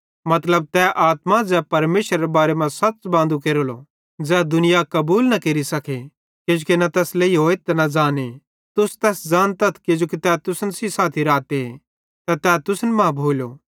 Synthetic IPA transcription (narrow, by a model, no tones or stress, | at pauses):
mɐt̪ləb̚t̪ɛʔaːt̪mãd͡zɛːpɐɾmeːʃɾaɾebaːɾemãsɐtːt͡ʃbãːnd̪ukeːɾolo̰ | d͡zɛːd̪ʊnɪjakɐbuːlnɐkeːɾisɐkʰe | ked͡ʒokenɐt̪ɛːsleiɦoːet̪ɛnɐd͡ʒaːne | t̪ʊst̪ɛːsd͡ʒaːnt̪ɐt̪ʰked͡ʒokit̪ɛːt̪ʊsənsisaːt̪ʰiɾaːt̪eɦe | t̪ɛt̪ɛːt̪ʊsnmãbʱoːljoː